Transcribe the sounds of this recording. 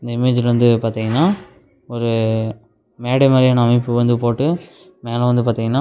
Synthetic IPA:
ɪnd̪ɐɪmeːd͡ʒɪlʋɐnd̪ɯpaːɾt̪iːŋɡɐnːaː | ɔɾɯ | meːɽɛmaːd̪ɾijaːnɐɐmɪpːɯʋɐnd̪ɯpoːʈːɯ | meːlɐ̃ʋɐnd̪ɯpaːɾt̪iːŋɡɐnːaː

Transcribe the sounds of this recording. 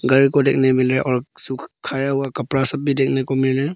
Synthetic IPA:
ɡɐɾikɔdek̚nemilɾeʔɔɾsukʰajawakɐpɾasɐp̚bidek̚nekɔmilɾe

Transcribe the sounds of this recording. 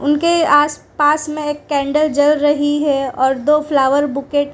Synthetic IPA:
ʊnkeaːspaːsmẽeːkːɛ̃ːɳɖəld͡ʒɐlɾɐɦiɦɛɔːɾd̪oːflaːʋəɾbʊkeːʈ

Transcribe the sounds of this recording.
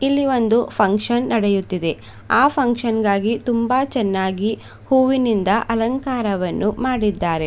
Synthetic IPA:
ilːiʋo̞nd̪upʰɐŋkʂɐnːɐɽejut̪ːid̪e̞ | aːpʰɐŋkʂɐnɡaːɡit̪umbaːt͡ʃɛnːaːɡi | huːʋinind̪ɐʔɐlɐŋkaːɾɐʋɐnːumaːɽid̪ːaːɾe̞

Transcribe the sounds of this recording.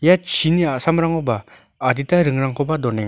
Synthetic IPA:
jat͡ʃʰiniasamɾaŋɔbaː | ditaɾɯŋɾaŋkʰɔbadɔneŋ

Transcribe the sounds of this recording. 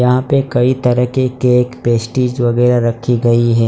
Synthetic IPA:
jɐɦãpekɐit̪ɐɾəɦkekeːkpeːsʈiːd͡ʒʋɐɣɛːɾaɾɐkʰːiɡɐiɦɛː

